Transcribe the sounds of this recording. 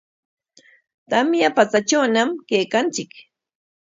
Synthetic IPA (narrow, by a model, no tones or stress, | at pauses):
t̪amjapat͡sat͡ʃawnamkejkant͡sɪk